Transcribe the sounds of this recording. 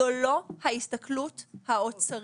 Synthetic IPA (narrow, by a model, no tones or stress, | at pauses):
olo̞haist̪ɐkluthaot͡saʁ